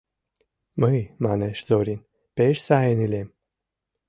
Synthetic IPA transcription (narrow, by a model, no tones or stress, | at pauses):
məjmaneʃzoɾin | peʃsaenilʲem